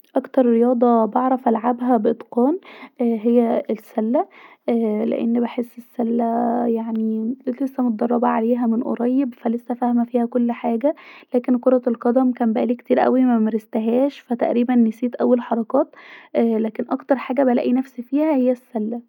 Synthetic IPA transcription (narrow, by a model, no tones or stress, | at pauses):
ʔɑkt̪ɑɾˤɾejɑːd̪ˤɑbeʕɾˤɑfʔælʕabɦæbeʔed̪ˤqɑːnʔɦejːæesːælːæː | lḛʔḛnːbeħesːesːælːæjaʕnillesːæmot̪̚d̪ˤɑrˤːɑbɑʕaleːɦæmenʔo̰ɾˤɑjːebfælesːæfæhmæfiːhækolːħaːɡælæːkenkoɾˤɑlqɑd̪æmkæːmbæʔæliːkt̪iːɾʔæ̰wimæmæɾest̪æɦæːʃfæt̪æʔɾiːbænːesiːt̪ʔæwːelħɑɾˤɑkɑːt̪ʔlæːkenʔɑkt̪ɑɾˤħaːɡæbælæ̰ʔinæfsfiːhæhejːæsːælːæ